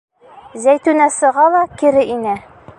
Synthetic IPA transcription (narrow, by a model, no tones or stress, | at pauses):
zæjt̪ʉnæsɤ̆ʁɑlˠɑkɘɾɘʔinæ